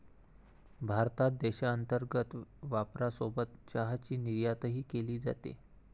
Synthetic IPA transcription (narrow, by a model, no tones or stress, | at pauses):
bʱaɾt̪at̪̚d̪ɛɕaənt̪əɾɡət̪ʋapɾasobət̪t͡ɕaɦat͡ɕiːniɾjat̪əɦiːkeliːd͡za̰t̪ḛ